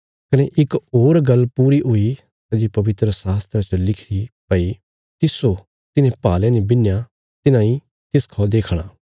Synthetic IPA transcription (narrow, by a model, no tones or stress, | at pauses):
kɐneʔɪkoːɾɡɐlːpuːɾiɦʊi | ɐd͡ʒipɐʋɪt̪ɾəsaːst̪ɾat͡ʃəlɪkʰɾipəi | t̪ɪso | t̪ɪnẽpaːlɛ̃nebɪnːja | t̪ɪnãĩ | t̪ɪskʰɔːd̪eːkʰɽ̃aː